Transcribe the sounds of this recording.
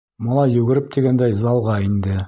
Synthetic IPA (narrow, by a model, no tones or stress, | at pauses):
mɑlˠɑjːʉɡɘ̆ɾɘp̚t̪iɡænd̪æjzɑlˠʁɑind̪ɘ